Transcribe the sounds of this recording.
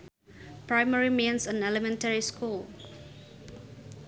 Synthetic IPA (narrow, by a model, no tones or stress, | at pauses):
pɹãɪməɹimẽnsə̃nɛləmɛ̃ntəɹiskul